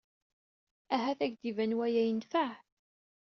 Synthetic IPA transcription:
æɦæθæɡd̪ivænwæjæjənt̪faʕ

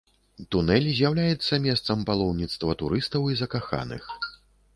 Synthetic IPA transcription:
t̪unɛlʲzʲjawlʲajɛt̪sːɐmʲɛst̪sɐmpalˠɔwnʲit̪st̪vɐt̪uɾɨst̪ɐwizɐkaxa̰nɨ̰x

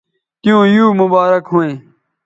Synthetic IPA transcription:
t̪ɪjũːjuːmʊbaːɾəkɦoːẽː

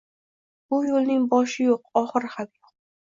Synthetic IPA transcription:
bʊjolˠnɪŋbɒʃɪjoqɒχɨɾhab̪̚joq̚

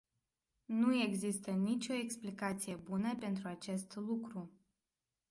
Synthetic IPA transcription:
nue̞ɡzist̪ənit͡ʃʲo̞e̞ksplikat̪sije̞bunəpe̞nt̪ɾuat͡ʃe̞st̪lukɾu

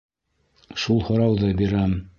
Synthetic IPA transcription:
ʃulˠhŏɾɑwðɤbiɾæm

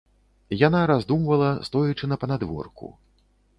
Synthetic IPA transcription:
janaɾazd̪umvɐlˠɐst̪ɔjit͡ʂɨnɐpɐnad̪vɔ̰rkṵ

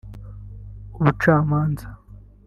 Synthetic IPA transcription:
uβut͡ʃaːmaːnza

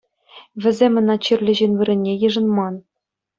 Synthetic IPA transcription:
ʋʲɘ̆zʲemʲɤ̆nɑt͡ɕɘrʲlʲɘ̆ʑinʲʋɯɾʲɘ̆nʲːejɯ̆ʐɤ̆nmɑn

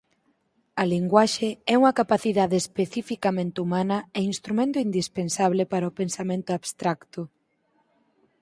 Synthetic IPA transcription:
ɐliŋɡwaʃeɛuŋɐkapaθiðaðeːspeθifikamẽnt̪ɪumanɐeinst̪ɾumẽnt̪oind̪ispensaβlɪpaɾɐopensamẽnt̪ʊaβst̪ɾakt̪ʊ

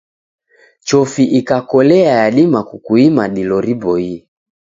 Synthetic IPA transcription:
t͡ʃɔfiʔikakɔlɛajaɗimakukuimaɗilɔɾibɔi

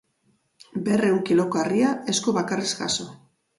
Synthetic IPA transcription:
be̞rewkilo̞koariae̞sko̞βakareska̰so

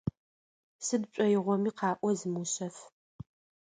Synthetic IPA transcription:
sɨdt͡ʃʷʼɔjɪʁʷɔmiːqɑːʔʷɔzɨmuɕɐf

